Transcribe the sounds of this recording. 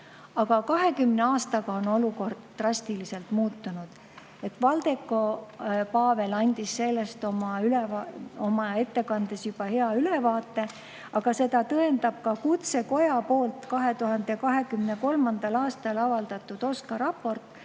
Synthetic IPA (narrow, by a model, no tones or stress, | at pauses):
ɑɡ̥ɑkɑɦe̞kymne̞ɑːst̪ɑɡ̥ɑo̞no̞luko̞rd̪̥t̪ːrɑsʲt̪ilise̞lt̪muːt̪ːunud̪̥ | e̞t̪ːˑvɑld̪̥e̞kːˑo̞pɑːve̞lɑnʲd̪̥isːe̞lːe̞st̪o̞mɑylevɑo̞mɑe̞t̪ːe̞kɑnd̪̥e̞sjub̥ɑhe̞ɑyle̞vɑːt̪ːˑe̞ | ɑɡ̥ɑse̞d̪̥ɑt̪ɤe̞nd̪ɑb̥̚kɑkut̪se̞ko̞jɑpo̞ːlt̪kɑɦe̞t̪uɦɑnd̪̥e̞kɑɦe̞kymneko̞lmɑnd̪̥ɑlɑːst̪ɑlɑvɑld̪̥ɑt̪ːˑud̪̥o̞skɑɾɑpːo̞rt̪ˑ